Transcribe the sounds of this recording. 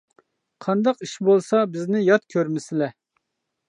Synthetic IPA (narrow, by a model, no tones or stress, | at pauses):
qʰɑnd̪ɑqiʃbolˠsɑbɪznɪjɑt̪kʲʰøɾmɪsɪlɛ